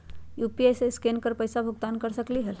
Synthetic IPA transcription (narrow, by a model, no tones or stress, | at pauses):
jupiejseskenkəɾpəjsabʱuɡt̪ankəɾsəkliɦel